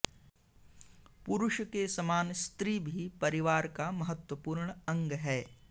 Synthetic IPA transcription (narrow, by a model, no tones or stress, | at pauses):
pʊɾʊʃkesɐmaːnst̪ɾibʱipɐɾɪʋaːɾkamɐɦət̪wəpuːɾɳɐ̃ŋɡɦɛː